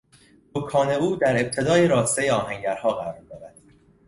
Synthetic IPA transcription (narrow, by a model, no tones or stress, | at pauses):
d̪okʰɒːne̞uːd̪æɾe̞b̚t̪ʰe̞d̪ɒːjeɾɒːst̪ejeɒːɦæŋɟæɾhɒːɣæɾɒːɾd̪ɒːɾæd̪̥̚